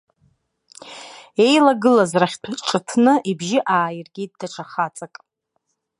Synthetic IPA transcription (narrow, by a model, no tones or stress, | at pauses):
e̞jlaɡɨlazraχʲtʰʈ͡ʂʼɨtʰnɨʔibʒɪʔaːjɪrɡʲid̚daʈ͡ʂʷʰaχat͡sʼakʼ